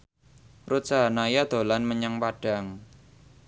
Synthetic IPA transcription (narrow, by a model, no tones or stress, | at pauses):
rut̪̚saɦanajad̪̥o̤lanməɲaŋpaɖ̥a̤ŋ